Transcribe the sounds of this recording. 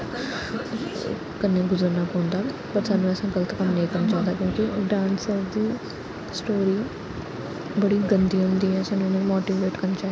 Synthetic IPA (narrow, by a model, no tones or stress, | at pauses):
kənːẽɡʊzəɾnaːpõːnd̪aːpəɾsaːnũɛsãːɡələt̪kəmnəĩːkəɾnt͡ʃaːd̪aːkjõːkɪɖãːnsəɾd̪iː | sʈoːɾiː | bəɽiːɡə̃nd̪iːɦʊ̃nd̪iːɦɛːsaːnũnẽːmoːʈiːʋeːʈkəɾnt͡ʃaː